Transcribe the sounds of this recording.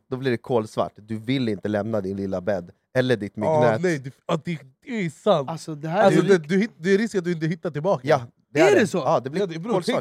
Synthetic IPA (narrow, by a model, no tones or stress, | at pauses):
d̪ɔblɪɖɛkʰoːlsva̰ʈːd̪ɵvɪlːɪnt̪əlɛmnad̪ɪnlɪlːabɛd̪ | ɛlːəɖɪt̪mʏɡnɛnɛjd̪ɔd̪ɛd̪ɛsant̪asɔd̪ɛhæalsɔɛd̪ɵhɪd̪ɛæɾɪskat̪̚d̪ɵɪnt̪əɦɪt̪ːaʈɪlbɑːkjɑ | d̪ɛɖɛsɔɑːd̪ɛblɪoːlsva